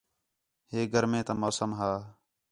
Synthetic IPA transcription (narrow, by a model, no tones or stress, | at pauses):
heːɡʱəɾmẽːt̪əmoːsəmɦaː